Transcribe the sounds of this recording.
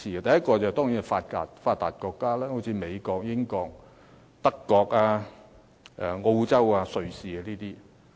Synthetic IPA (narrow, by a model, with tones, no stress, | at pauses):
iː˨˧ɐ˧t̪ɐ˨jɐ˥t̚kɔː˧t͡sa˨hɛ˨˩t̪ɔː˥ŋji˨˥n˨faː˧t̚ka̰ː˨t̚faː˧t̚t̪ːa̰ː˨t̚kɔː˧kːaː˥lɛː˥ho˨˥wt͡sʰiː˨˧me˨˧jkɔː˧k̚jɪ˥ŋkɔː˧k̚ | t̪ɐ˥kːɔː˧k̚aː˧ | ʔɛ̰˨˧ŋo˧wt͡sɐ˥waː˧sɵ˨ɥsiː˨a˧niː˥t̪iː˥